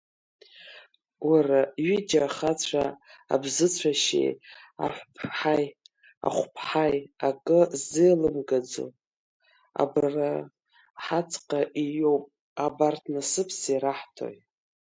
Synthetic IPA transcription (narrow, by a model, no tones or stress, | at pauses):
waraɥid͡ʒaχat͡ɕʷʰaa̰bzɨt͡ɕʷʰaʃḛj | a̰ħʷpʰħaj | a̰χʷpʰħajakʼɨzɨjlɨmɡad͡zo̰ | a̰bra | ħat͡sʰqʼaʔijowpʼ | abartʰnasɨpʰsiɾaħtʰo̰jtʼ